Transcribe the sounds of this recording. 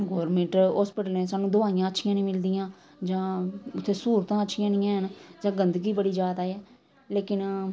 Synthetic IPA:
ɡoːɾmẽɳʈɔːspɪʈəlnẽːsaːnũːd̪ʊaːɪjãːətːʃʰɪjãːnĩːmɪld̪ɪjãː | d͡ʒãːʊt̪ʰːeːsuːɾət̪ãːətːʃʰɪjãːnɪjãːɦənd͡ʒãːɡənd̪əɡiːbəɽiːd͡ʒaːd̪aːɛː | leːkɪn

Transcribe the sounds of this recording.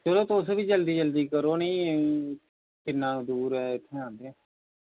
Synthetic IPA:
t͡ʃəɾoːt̪oʊsʋiːd͡ʒəld̪iːd͡ʒəld̪iːkəɾoːnĩː | kɪnːãːd̪uːɾɛːɪt̪ʰːeːãːnd̪eɛ̃ː

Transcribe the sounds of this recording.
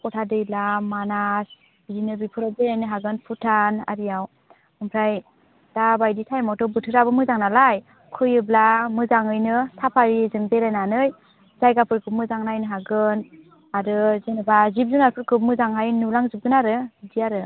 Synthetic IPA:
kɔtʰadɯjlamanas | bidinɯbipʰɯɾadeɾajnɯɦaɡɯnpʰutʰana̰ɾijaw | ɯmpʰɾaj | d̥abajditʰajmɔtɔbɯtʰɯɾabɯmɯzaŋnalaj | kʰɯjɯblamɯzaŋɯjnɯsʰapʰaɾizɯŋbeɾajnanɯj | z̥ajɡapʰɯɾkʰɯp̚mɯzaŋnajnɯɦaɡɯn | aɾɯzenɯbazip̚zunaɾpʰɯɾkʰɯp̚mɯzaŋɦajnulaŋzip̚ɡɯnaɾɯdiaɾɯ

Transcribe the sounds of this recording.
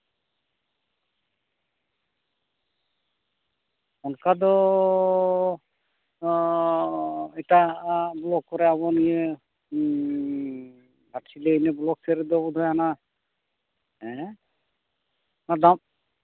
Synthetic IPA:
ɔnkad̪ɔ | ɛʈablɔkːɔɾɛabɔnijə | baʈsileinɛblɔk̚sɛɾɛd̪ɔbɔd̪ʱɔjaana | ɛ | nad̪am

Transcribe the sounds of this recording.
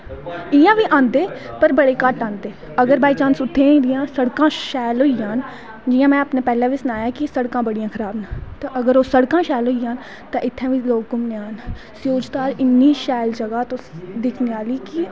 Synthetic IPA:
ɪːãːʋiːʔãːnd̪eːpəɾbəɽeːkəʈãːnd̪eː | əɡəɾbaːit͡ʃãːnsʊt̪ʰːẽːɾɪjãːsəɽkãːʃaːlɦoːijãːn | d͡ʒɪjãːmɛ̃ːəpneːpɛːlãːʋiːsənaːjãːkɪsəɽkãːbəɽijãːkʰəɾaːbnat̪ãʔəɡəɾoːsəɽkãːʃaːlɦoːijãːn | t̪ãːʔɪt̪ʰːãːʋiːloːk̚ɡʊmneaːnsjoːd͡ʒt̪aːɾɪnːiːʃaːjld͡ʒəɡaːt̪õːd̪ɪkʰneːaːliːki

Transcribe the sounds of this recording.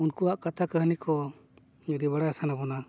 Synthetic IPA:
unkuaʔkat̪ʰakəɦnikʰɔ | ɛd̪ibaɽajasanabɔna

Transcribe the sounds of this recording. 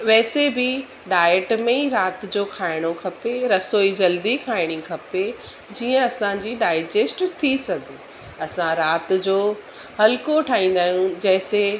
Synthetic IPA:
ʋɛːsebɪ | ɖaːeʈmẽiɾaːt̪d͡ʑoːkʰaːɪɽ̃okʰɐpeɾɐsoːid͡ʑɐld̪ikʰaːɪɽ̃ikʰɐpe | d͡ʑiːə̃ɐsãd͡ʑiɖaːɪd͡ʑeːsʈt̪ʰisɐɡʱe | ɐsãɾaːt̪d͡ʑoː | hɐlkoʈʰaːɦĩːn̆d̪aːɦjũd͡ʑɐɦɪse

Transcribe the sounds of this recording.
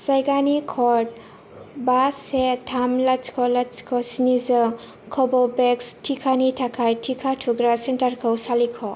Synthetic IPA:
sajɡanikʰɔd | basetʰamlat͡ʃkʰɔlat͡ʃkʰɔsinizɔ | kʰɔbɔbekstʰikʰanitʰakʰajtʰikʰatʰuɡɾasentaɾkʰɔwsalikʰɔ

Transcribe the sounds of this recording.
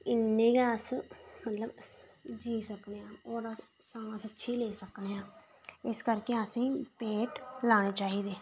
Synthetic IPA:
ɪnːeːɡaːsmət̪ləbd͡ʒiːsəkd̪eːãːoːɾaː | saːmãsətːʃʰiːleːsəkneːãː | ɪskəɾkeːasĩːpeːʈlaːɽ̃eːt͡ʃaːiːd̪eː

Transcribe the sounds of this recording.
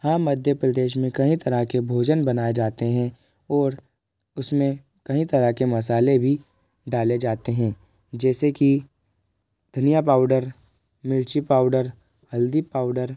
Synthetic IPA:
hãmːɐd̪ʱjəpɾɐd̪eːʃ̬mẽkɐɦĩt̪ɐɾakebʱoːd͡ʒənbɐnaːed͡ʒaːt̪eɦɛ̃ | ɔːɾ | ʊsmẽ | kɐɦĩt̪ɐɾakemɐs̬aːlebʱi | ɖaːled͡ʒaːt̪eɦɛ̃ː | d͡ʒɛːseki | d̪ʱɐnijapaːʊɖəɾ | mɪlt͡ʃipaːʊɖəɾ | hɐld̪ipaːʊɖəɾ

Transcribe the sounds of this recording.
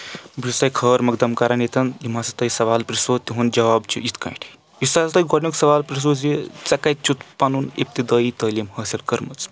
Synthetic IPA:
bisɐjkʰəːɾmɐɡd̪ɐmkaɾɐnet̪ɐnjimasɐt̪ɐjsɐʋaːlpɾisoːt̪ʲiɦund͡ʒɐʋaːbt͡ʃʰiit̪kɐ̰̃iʈʰ | ist̪aːsɐt̪ɐjɡoɽmiksɐʋaːlpɾis̬ozit͡sɐkɐt̪̚t͡ʃʰut̪pɐnunḭp̚t̪id̪ɐːit̪ɐːlimhɐːsilkɐɾmɐt͡s

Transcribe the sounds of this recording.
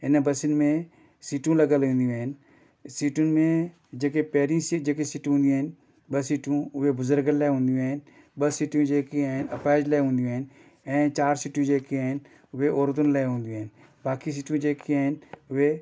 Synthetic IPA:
ɪnbɐsɪnɪmẽ | siːʈũlɐɡəlɦũːn̆d̪ijũaːɪn | siːʈʊnɪ̆mẽ | d͡ʒeːkepɛɦɾijĩsid͡ʒeːkesiːʈɦũːnd̪ĩəːɪn | ɓəsiːʈũʊɦebʊzəɾɡəllaɦũːnd̪ijũaɦɪn | ɓəsiːʈjũd͡ʒeːkiaɦɪnɐpaːd͡ʒlɛɦũːnd̪jũːɦɪn | ɛ̃ːt͡ʃaːɾsiːʈũd͡ʒeːkeaːɦɪn | ʊʋeoːɾd̪ʊnlɐɪɦũːn̆d̪iũːn | baːkis̬iːʈjũd͡ʒeːkʰiaːɦɪnʊɦe

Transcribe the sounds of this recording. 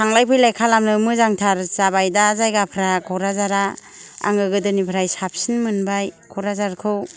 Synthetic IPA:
tʰaŋlajpʰɯjlajkʰalamnɯmɯzaŋtʰaɾzabajdaːzajɡapʰɾakʰɔɾazaɾa | a̰ŋɡɯɡɯdɯnipʰɾajsap̚sinmɯnbajkʰɔɾazaɾkʰɯw

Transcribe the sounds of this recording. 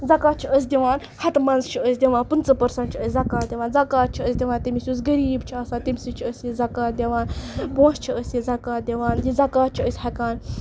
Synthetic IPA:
zɐkaːt̪̚t͡ʃʰiəs̬ʲd̪ʲiʋaːn | hɐt̪mɐnzt͡ʃʰiəsʲd̪ʲiʋãːnpɨnt͡sɐpɐɾsɐnʈ̚t͡ʃʰiəsʲzɐkaːt̪̚d̪ʲiʋaːnzɐkaːt̪̚t͡ʃʰiəsʲd̪ʲiʋaːnt̪imʲisʲus̬ɡɐɾiːbt͡ʃʰiaːsãːt̪imʲsit͡ʃʰiəsjizɐkaːt̪̚d̪ʲɐʋaːnpõːst͡ʃʰiəsjizɐkaːt̪̚d̪ʲeʋaːnjizɐkaːt̪̚t͡ʃʰiəsʲhɐkaːn

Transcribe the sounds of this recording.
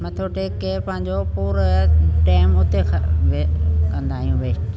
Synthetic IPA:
mɐ̃t̪ʰoːʈekepɐ̃ɦɪ̃ɲ̆d͡ʑopuːɾʈɛːɪmʊt̪ekʋekɐ̃nd̪aːɦijũʋeːsʈ

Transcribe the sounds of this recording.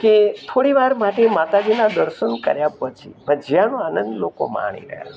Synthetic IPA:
ket̪ʰoɽiʋaɾmaʈemat̪ad͡ʒinad̪əɾʃənkə̰ɾjapət͡ʃʰḭbəd͡ʒjanoanənd̪loko̰ma̰ɽ̃ḭɾə̰ɦja̰

